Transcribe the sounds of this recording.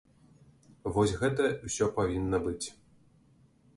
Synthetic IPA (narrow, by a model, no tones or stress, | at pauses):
vɔsʲɣɛt̪ɐusʲɔpavʲinːɐbɨt͡sʲ